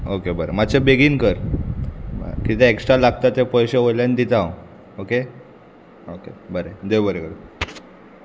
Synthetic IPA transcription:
okebəɾḛmat͡ɕebeɡiːnkəɾ | bə̰kit̪eeksʈɾalaɡt̪at̪epəjɕeojljanid̪it̪ao | oke | okḛbəɾed̪ejbəɾeɡəɾe

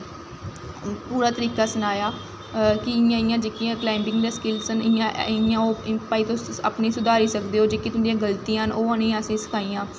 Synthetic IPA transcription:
puːɾaːt̪əɾiːkaːsənaːjaː | kɪɪjãːɪjãːd͡ʒeːkiãːklaːɪmbɪ̃ŋɡd̪eːskɪlsənɪjããːoːpaːiːt̪õːa̰pniːsʊd̪aːɾiːsəkd̪eːɦoːd͡ʒeːkit̪ʊnd̪ĩãːɡəlt̪iːãɦənoːãːnĩːaəsĩːsə̥kʰaːiːãː

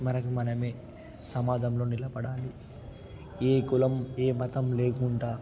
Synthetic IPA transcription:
mɐnɐkumɐnɐmeː | sɐmaːd̪ʱɐmlo̞ːnilɐbɐɽaːli | eːkulɐmeːmɐt̪ɐmle̞ːkuɳʈaː

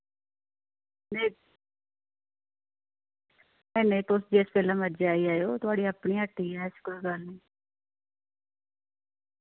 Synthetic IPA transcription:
ne | mɛ̃ːneːpʊsd͡ʒeːspɛːlãːməd͡ʒaːiːaːjoːt̪ʊaːɽiːəpɳiːəʈːiːɛːskəɾːɡəlniː

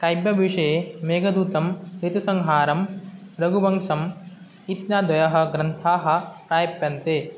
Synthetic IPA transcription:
kɐjbjɐʋiʂɐemeːɡɐd̪uːt̪ɐmɾit̪isɐŋɦaːɾɐm | ɾɐɡubɐŋʂɐm | it̪naːd̪ʋɐjɐɦɐ̆ɡɾɐnt̪ʰaːɦɐ̆pɾaːjɐpjɐnt̪eː

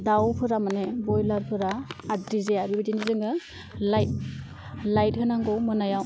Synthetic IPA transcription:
dawpʰɯɾamanebɔjlaɾpʰɯɾaːdɾizeaɾibadinizɯŋɯ | lajt̚ | lajt̚hɯnaŋɡɔwmɯnajaw

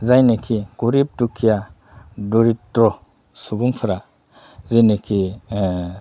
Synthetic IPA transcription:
zajnekʰiɡ̥uɾip̚tukʰːija | dɔɾiɾɔ | subuŋpʰɯɾa | zenekʰi

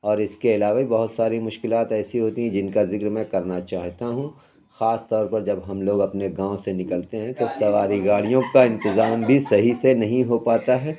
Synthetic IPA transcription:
ɔːɾɪskeɪlaːʋabibɐɦʊt̪saːɾimʊʃkɪlaːt̪ɛːsiɦoːt̪iɦɛ̃d͡ʒɪnkazɪkɾmɛ̃kɐɾnat͡ʃaːɦt̪aɦũ | xaːst̪ɔːɾpɐɾd͡ʒɐbɦɐmloːɡɐpneɡãːõsenɪkəlt̪eɦɛ̃t̪osɐʋaːɾiɡaːɽijõkaɪ̃nt̪ɪzaːmbʱisɐɦisenɐɦĩɦopaːt̪aɦɛː

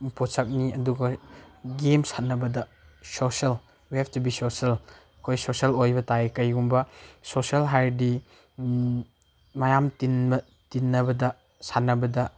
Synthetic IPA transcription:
mpʰosak̚niɐduɡɐɡemsanɐbɐdɐ | sosel | wihɛptubisosɐl | kʰojsosɐlojbɐtajkɐjɡumbɐsosɐlɦajɾdi | majamtinɐ | tinːɐbɐdɐ | sanɐbɐdɐ

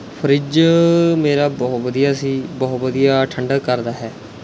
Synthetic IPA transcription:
pʰəɾɪd͡ʒmeːɾaːbɔːt̪ʋəd̪ijaːsiːbɔːt̪ʋəd̪ijaːʈʰəɳɖəkːəɾd̪aːɦɛː

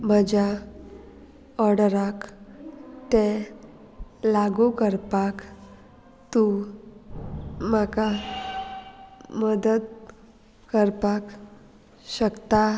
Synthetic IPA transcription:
m̤əd͡ʑa | ɔɽəɾak | t̪e | laɡukəɾpak | t̪u | maka | məd̪ət̪ | kəɾpak | ɕəkt̪a

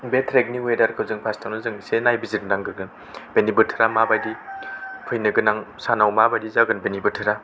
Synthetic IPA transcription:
betʰɾek̚niwedaɾkʰɯwzɯŋpʰastʰawnɯzɯŋsenajbiziɾnaŋɡɯɾɡɯn | b̥enibɯtʰɯɾamabajdipʰɯjnɯɡɯnaŋsanawmabajdizaɡɯnbenibɯtʰɯɾa

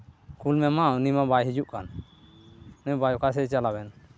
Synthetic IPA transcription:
kulmɛmanimabajɦid͡ʒuʔkan | nubajɔkas̬ɛt͡ʃalabɛn

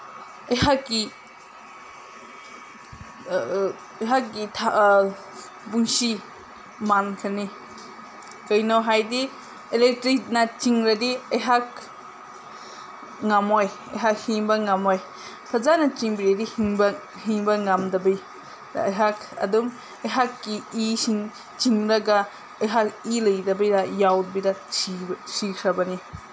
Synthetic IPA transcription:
ɐjɦakːi | ɐjɦak̚ɡitʰa | buŋsi | mankʰɐni | kɐjnawɦajdi | elek̚tɾik̚nɐt͡ʃiŋɾɐdiɐjɦak̚ | ŋamoj | ɐ̰jɦak̚hiŋbɐŋamoj | pʰɐzanɐt͡ʃiŋbiɾɐdihiŋbɐ | hiŋbɐŋamdɐbɐj̰ | ɐ̰jɦakʰɐ̰dum | ɐjɦakːiisiŋ | t͡ʃiŋɾɐɡɐ | ɐjɦakilɐjdɐbɐjdɐjawd̚biɾɐsʰisikʰɾɐbɐni

